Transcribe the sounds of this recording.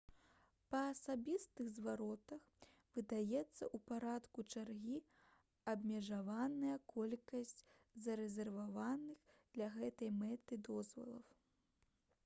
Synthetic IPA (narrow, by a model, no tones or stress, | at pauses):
pɐːsabʲist̪ɨɣzvaɾɔt̪ɐx | vɨd̪ajɛt̪sːɐʔupaɾat̪kut͡ʂarɣʲi | ɐbmʲɛʐavanɐjɐkɔlʲkɐsʲt͡sʲ | zɐɾɛzʲɛrvavanɨxd̪̥lʲɐɣɛt̪ɐjmɛt̪ɨd̪ɔzvɐ̰lˠɐ̰w